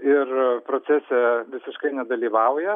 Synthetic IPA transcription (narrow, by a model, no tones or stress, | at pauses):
ɪrpɾot͡s̪ʲæsʲɛʋʲɪsʲɪʃkɐɪnʲɛd̪ɐlʲiːʋɐʊjɛ